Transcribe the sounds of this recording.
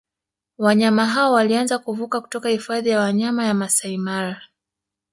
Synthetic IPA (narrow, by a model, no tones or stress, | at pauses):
waɲamaɦaɔwalianzakuvukaku̥tɔkahifaðijawaɲamajamasaimaɾa